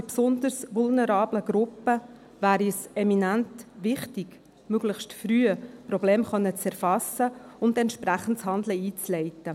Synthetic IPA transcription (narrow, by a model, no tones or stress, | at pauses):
ɪpsʊnd̪ərsʋʊlnəɾɑːbləɡɾʊpːə | væːɾisɛminæntʋɪχtiɡ | møɡ̥ləχʃtfryːəpɾɔbleːmχœnːət͡sɛɾfɑsəʊndɛntʃpɾæχən̩tshɑnd̪ləiːt͡slɛɪtə